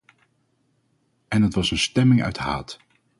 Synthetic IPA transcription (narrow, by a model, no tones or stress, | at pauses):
ɛnɦətʋɑsənstɛmɪŋœ̰ɥtɦa̰ːt